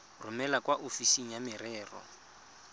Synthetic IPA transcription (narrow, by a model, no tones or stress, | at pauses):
rʊmɛlakwaʔofisiŋ̩jamɪrɛːrɔ̰